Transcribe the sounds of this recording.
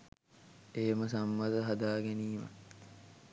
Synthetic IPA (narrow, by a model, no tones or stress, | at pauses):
eːməsɐmːɐt̪əɦɐd̪aːɡeniːmə̰